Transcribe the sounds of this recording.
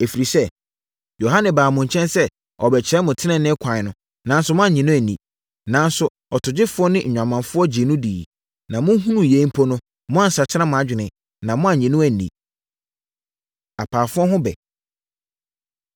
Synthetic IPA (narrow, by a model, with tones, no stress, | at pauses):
e˨fi˨ɾi˨sɛ˦ | jo˨ɦa˦nɪ̃˨baː˨mʊ̃˨ɲ˨t͡ɕʰɛ̃˦nsɛ˦ | ɔ˨bɛ˨t͡ɕʰɾɛ˦mʊ̃˨tʰɪ˦nɛ̃˨nɪ̃˦kʷʰã˨nʊ̃˦ | nã˨n̩˦sʊ˦mʊ̃˦a˨ɲĩ˨nʊ̃˦æ˨nḭ̃˨ | nã˨n˦sʊ˦ | ɔ˨tʰʊ˨d͡ʑɪ˦fʊ˦ɔ˦nɪ̃˦ɲ̩ᶣ˨ã˨mã˨nfʊ˦ɔ˦d͡ʑɪ˨nʊ̃˦diː˨ | nã˨mʊ̃˦ɦũ˦nũ˨jẽ˨˦m˦pʰɔ˦nʊ̃˦ | mʊ̃˦a˦˨sa˨t͡ɕʰɪ˦ã˦mʊ̃˨a˨˦d͡ʑᶣɪ˨nɪ̃˨ | nã˨mʊ̃˦a˦˨ɲĩ˨nʊ̃˦æ˨nḭ̃˨ | a˨pʰaː˨fʊ˦ɔ˦ɦʊ̃˦bɛ̰˨